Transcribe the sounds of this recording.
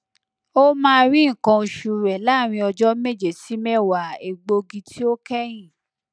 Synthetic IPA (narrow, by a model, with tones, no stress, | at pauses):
o˦mãː˦˧ɾi˦ŋ̩˨kã˧o˧ʃu˨˧ɾɛ˨la˦˨ɾ̃ĩ˧ɔ˧d͡ʒɔ˦me˦d͡ʒe˨si˨˦mɛ˦wa˨e˨ɡ͡bo˧ɡi˧tʰi˦o˦kɛ˦j̃ĩ˦˨